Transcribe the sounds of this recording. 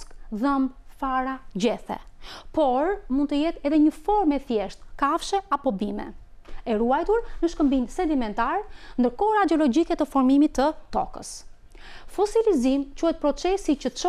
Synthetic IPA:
kðəmfaɾad͡ʑɛθɛ̰pɔɾmund̪t̪əjɛt̪ɛðɛɲəfɔɾmɛθjɛʃt̪kafʃɛapɔbimɛ̰ | ɛɾuajt̪uɾnəʃkəmbinsɛd̪imɛnt̪aɾnd̪əɾkɔɾad̪ɛɔlɔd͡ʑikɛt̪əfɔɾmimit̪ːət̪ɔ̰kə̰s | fɔsilizimt͡ʃuhɛt̪̚pɾɔt͡sɛsit͡ʃət͡ʃɔ

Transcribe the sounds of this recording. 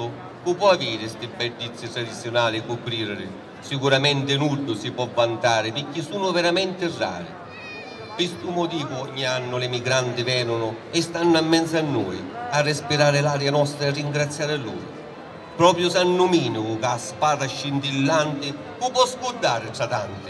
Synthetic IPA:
ʊ | kupːwɔaviːɾɪst̪ɪbːɛɖːit̪sːɪt̪ɾad̪it̪sːjʊnaːlɪikʊpɾiːɾɪɾɪ̰ | sikuɾamɛnt̪ɪnuɖːʊsipwɔvːant̪aːɾɪpɪkːisuːnʊvɛɾamɛnt̪ɪrːa̰ːɾɪ̰ | pist̪umʊt̪iːvʊɔɲːianːʊlɪmiɡɾant̪ɪvɛːnʊnʊɪst̪anːʊamːɛnt̪sanːuːjarːɪspiɾaːɾɪlaːɾjanɔst̪ɾaɪrːiŋɡɾat̪sːjaːɾɪalːṵːɾʊ̰ | pɾɔːpɾjʊsanːʊmiːnuʊkaspaːd̪aʃːint̪ilːant̪ɪ | kupwɔskud̪ːaːɾɪʈɾat̪ant̪ɪ̥

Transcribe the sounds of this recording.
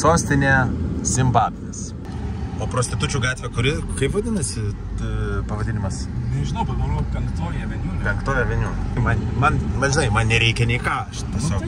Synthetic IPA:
soːsʲt̪ʲɪnʲeːsʲɪmbɑːbʲɪnʲes | oːpɾoːsʲt̪ʲɪt̪ʊt͡ʃʲuːɡɑːt̪ʲʋʲekʊɾʲɪkɐɪpʋɐd̪ʲɪnɐsʲɪ | pɐʋɐd̪ʲɪnʲɪmɐsnʲɛʒʲɪnɐʊpɐmɐnoːpʲɛŋkt̪oːjɛʋʲɛnʲuːlʲpʲɛŋkt̪oːjʲɛʋʲɛnʲuːlʲmɐnmɐnmɐʒʲɪnɐɪmɐnnʲɛɾʲɛɪkʲɛnʲɛɪkɑːʃt̪t̪ʲiɛsʲoːk

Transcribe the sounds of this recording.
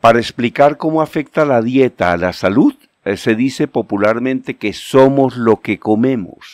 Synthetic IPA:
paɾaesplikaɾko̞moafe̞k̚t̪alaðje̞t̪aːlasaluð | se̞ðise̞po̞pulaɾmẽ̞nt̪e̞ke̞so̞mo̞zlo̞ke̞ko̞me̞mo̞̰s

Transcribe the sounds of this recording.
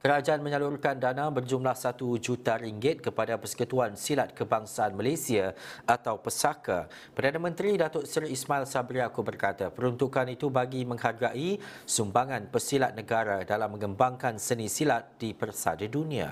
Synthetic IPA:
kəɾad͡ʒaʔanmə̃ɲəlurkandanãbərd͡ʒumlahsat̪ud͡ʒut̪aɾiŋɡɪt̪̚kəpadapərsə̥kut̪uansilat̪̚kəbaŋsaːnmalesiaʔat̪awpəsaka̰ | pərdanamə̃nt̪ɾidat̪ʊt̪sərismailsabɾiakubərkat̪apəɾunt̪ukanit̪ubaɡimə̃ŋharɡaʔisumbaŋãnpəsilat̪̚nəɡaɾadalamːə̃ŋəmbaŋkansənĩsilat̪̚d̥ipərsa̰dadunĩa̰

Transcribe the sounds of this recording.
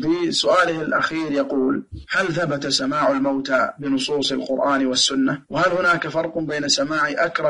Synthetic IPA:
fisʊʔaːlɪhɪlʔa̰xiːɾjɑquːlhalθabat̪asamaːʕalmawt̪abɪnʊsˤuːsˤalqʊɾʔaːnwasːʊnːawhalhʊnaːkafɑɾˤqbeːnasamaːʕiʔakɾˤɑ

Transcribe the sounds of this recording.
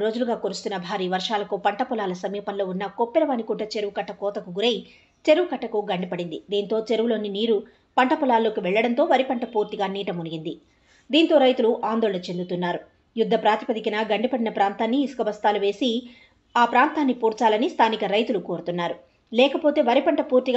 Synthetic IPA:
ɾo̞ːd͡ʒuluɡaːkoɾust̪unːɐbʱaːɾiːʋɐɾʂaːlɐkupɐɳʈɐpɔlaːlɐsɐmiːpɐnlo̞ːunːɐkopːɛlɐʋɐnikuɳʈɐt͡ʃe̞ɾuʋukɐʈːɐkɔːt̪ɐkuɡuɾeji | t͡ʃe̞ɾuʋukɐʈːɐkuɡɐɳɖipɐɽind̪id̪iːnt̪o̞ːt͡ʃe̞ɾuʋulo̞ːniniːɾu | pɐɳʈɐpɔlaːlːo̞ːkiʋɛɭːɐɽɐnt̪o̞ːʋɐɾipɐɳʈɐpuːɾt̪iɡaːniːʈɐmunuɡind̪i | d̪iːnt̪o̞ːɾɐjt̪uluʔaːnd̪oːɭɐnɐt͡ʃe̞nd̪ut̪unːaːɾu | jud̪ʱːɐpɾaːt̪i̥pɐd̪ikinɐɡɐɳɖipɐɽinɐpɾaːnt̪aːnːiːsu̥kɐbɐst̪aːluʋe̞ːsi | aːpɾaːnt̪aːnːipuːɾt͡ʃaːlɐnist̪ʰaːnikɐɾɐjt̪ulukoːɾut̪unːaːɾu | lɛːkɐpoːt̪e̞ːʋɐɾipɐɳʈɐpuːɾt̪iɡ

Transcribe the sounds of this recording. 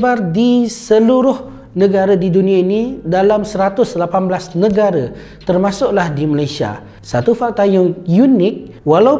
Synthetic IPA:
bardisəluɾʊh | nəɡaɾadidunĩainidalamsəɾat̪ʊslapanblasnəɡaɾa | t̪ərmãsʊʔlahdimalajsia̰ | sat̪ufak̚t̪ajajunɪk̚wala

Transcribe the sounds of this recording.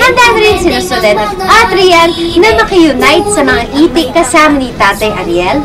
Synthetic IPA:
hɐnd̪aːnɐɾɪnsɪnɐsɔd̪ɛd̪ʔat̪ɾijɐlnɐmɐkɐjʊnajt̪̚sɐmɐŋaʔiːt̪ɪkːɐsaːmɐnit̪aːt̪ɐjʔɐɾiɛl

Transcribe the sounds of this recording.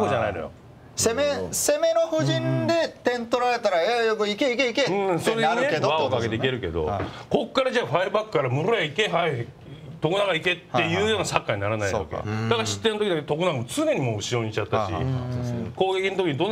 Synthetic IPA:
kod͡ʑanainojo̰ | semese̞me̞noɸɯ̟ʑĩnd̪e̞t̪ẽ̞nt̪o̞ɾaɾe̞t̪aɾaeokɯikeikeikeɯ̃soɾeeβaokaɡe̞t̪eike̞ɾɯ̟ke̞̰d̪o̞̰ko̞kːaɾad͡ʑaːɸaibakːɯ̟̥kaɾamɯɾoaikeɦai | t̪o̞kɯnaɡaike̞t̪ːe̞jɯ̟ːjo̞ːnasakːaɲ̟inaɾanaj̰βa̰kḛd̪akaɾaɕi̥t̪ːe̞not̪okʲid̪aket̪o̞kɯnaɡamot͡sɨne̞ɲ̟imo̞ːɯ̟ɕio̞ːɲit͡ɕat̪ːaɕḭ | ko̞ːɡe̞kʲinot̪okiɲid̪o̞nː

